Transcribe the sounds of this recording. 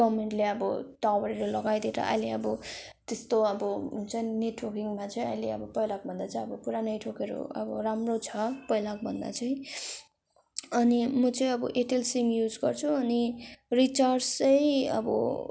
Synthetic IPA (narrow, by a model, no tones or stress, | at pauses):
ɡʌmeɳʈleʌbʌʈawʌɾiɾelʌɡajd̪eɾʌ̰ʔʌ̰jleʌbʌ | t̪est̪oʌbʌt͡sʌj̃neʈwokiŋmat͡sʌj̃ʌjleʌ̰bʌpʌjlak̚bʱʌnd̪at͡sʌj̃ʌbʌpuɾanʌjʈʰokeɾo̰ʌ̰bʌ̰ramrot͡sʰʌpʌjlak̚bʱʌnd̪a̰t͡sʰʌj̃ | ʌnimʌt͡sʌĩʌbʌʔeʈelsimjud͡zɡʌrt͡sʰuʌnirit͡sarst͡sʌjʌ̰bʌ̰